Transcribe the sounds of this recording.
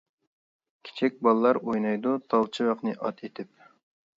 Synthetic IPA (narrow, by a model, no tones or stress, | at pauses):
kʲʰe̥t͡ʃʰɛk̚ʲbɑlˠlˠɑɾojnɑjd̪ut̪ʰɑlˠt͡ʃʰiwɑqnɨʔɑt̪ʰet̪ʰɪp̚